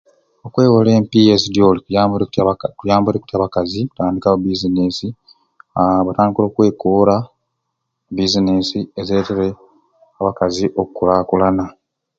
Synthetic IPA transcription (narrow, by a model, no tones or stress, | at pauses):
o̞kwe̞ːwole̞ːmpije̞zidjoliabuɾekutkujaːmboɾeku̥tjaβakaziataːndikaubizinesi | βataːndikilo̞ːkwe̞ːkoːɾa | bizinesiezeteɾe | aβakaziʔo̞kukulaːkulana